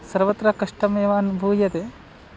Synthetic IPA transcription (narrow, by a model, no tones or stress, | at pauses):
sɐɾʋɐt̪ɾɐkɐʂʈɐmeːʋaːnbʱuːjɐt̪e